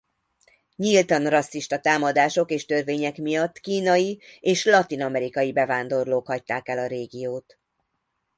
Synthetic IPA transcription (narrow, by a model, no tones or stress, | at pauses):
ɲilt̪ɒnrɒsːiʃt̪ɒt̪aːmɒd̪aːʃo̞keːʃt̪ø̞rveːɲɛkmijɒt̪ːkiːnɒjieːʃlɒt̪inɒmɛɾikɒjibɛvaːnd̪o̞rloːkhɒct̪ːaːkɛlɒɾeːɡijoːt̪